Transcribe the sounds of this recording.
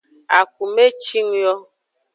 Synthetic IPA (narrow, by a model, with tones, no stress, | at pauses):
a˨ku˨me˦t͡ʃi˦ŋ˦jɔ˦